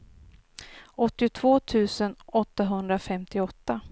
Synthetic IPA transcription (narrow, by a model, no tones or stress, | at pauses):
ɔt̪ːɪʊt̪ʰv̥oːt̪ʰʉ̟ːsənɔt̪ːaɦɵnd̪ɾafɛmt̪ɪɔt̪ːa